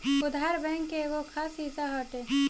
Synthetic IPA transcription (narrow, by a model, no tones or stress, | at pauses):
ʊd̪aɾbɛ̃ŋkːeɡokʰaːsit̪aɦəːʈe